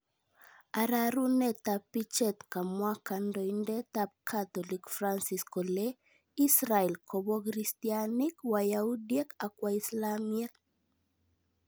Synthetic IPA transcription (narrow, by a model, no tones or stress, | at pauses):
aɾaɾunɛt̪apːit͡ʃɛt̪kamwakandɔindɛt̪ap̚kʰat̪ɔlikfɾansiskɔle | isɾaɛlkʰɔbɔkɾistianikwajaudijɛkakwaislamɛk̚